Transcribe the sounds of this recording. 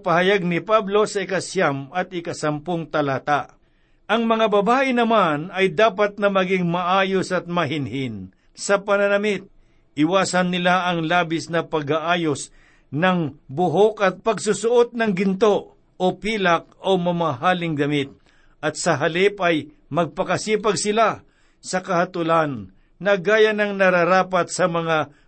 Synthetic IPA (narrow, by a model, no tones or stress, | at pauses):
pɐhɐjaɡ̚nɪpablo̞sɐɪkɐsjamɐt̪̚ɪkɐsɐmpoŋt̪ɐlaːt̪aʔ | ʔɐŋmɐŋabɐbaːʔɪnɐmanɐjd̪aːpɐt̪̚nɐmɐɡɪŋmɐʔaːjosɐt̪̚mɐɦɪnhɪn | sɐpɐnɐnɐmɪt̪̚ | ʔɪwaːsɐnːɪlaʔɐŋlaːbɪsnɐpɐɡhaʔaːjos | nɐŋbʊɦokɐt̪̚pɐɡsʊsʊʔot̪̚nɐŋɡɪnt̪o̞ | ʔopiːlɐk̚omɐmaɦaːlɪŋd̪ɐmɪt̪̚ | ʔɐt̪sɐɦɐlɪpɐj | mɐɡ̚pɐkɐsiːpɐɡsɪla | sɐkɐhɐt̪ʊlanː | ɐɡaːjɐnɐŋnɐɾɐɾaːpɐt̪̚sɐmɐŋa